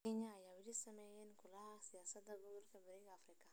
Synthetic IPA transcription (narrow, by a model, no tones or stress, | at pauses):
ɛɲɐːjaːwɪlisɐmɛjɛːnkʰʊlɐɦɐsɪjaːsɐd̪ːɐɡɔɣɔlkʰɐbɐɾɛɣɐːfrɪkʰɐ